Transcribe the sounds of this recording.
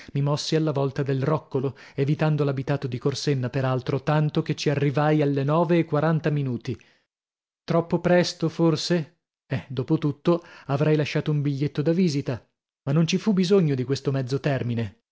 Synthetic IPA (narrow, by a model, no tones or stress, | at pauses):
mimɔsːialːavɔlt̪ad̪elrɔkːolo | evit̪and̪olabit̪aːt̪od̪ikorsenːapeɾalt̪ɾot̪ant̪oket͡ʃːiarːivajalːenɔːveːkːwaɾant̪aminuːt̪i | t̪ɾɔpːopɾɛst̪oforse | ɛd̪oːpot̪ut̪ːoavɾɛjlaʃːaːt̪oumbiʎːet̪ːod̪aviːzit̪a | manːont͡ʃifubizoɲːod̪ikwest̪omɛd̪zːot̪ɛrmine